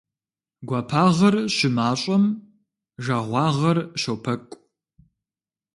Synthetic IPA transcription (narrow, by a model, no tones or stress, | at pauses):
ɡʷaːpʰaːʁɐrɕɪmaːɕʼɐm | ʒaːʁʷɑːʁɐrʃowpʰɐkʷʼ